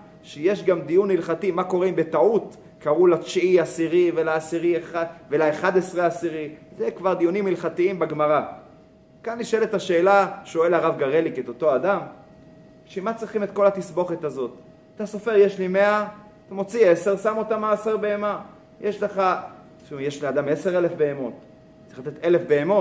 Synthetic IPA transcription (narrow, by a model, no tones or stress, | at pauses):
ʃeje̞ʃɡamd̪ijunːilχat̪imako̞ʁimbe̞t̪aut̪ | kaʁulat͡ʃiasiʁivelaːsiʁieχavelaeχad̪esʁeasiʁizekvaʁd̪ijunimːilχat̪iimbeɡmaʁa | kanːiʃoelet̪aʃe̞ːlaʃo̞e̞laʁavɡaʁeliket̪o̞t̪o̞ad̪am | ʃemat͡sʁiχimet̪ko̞lhat̪isbo̞χet̪azo̞t̪ | at̪aso̞fe̞ʁjeʃlime̞a | tamo̞t͡siese̞ʁsamo̞t̪amaːseʁbeema | jʔeʃleχa | ʃujeʃlead̪ame̞se̞ʁe̞le̞fbe̞emo̞t̪ | t͡sːiχlat̪et̪e̞lefbe̞emo̞t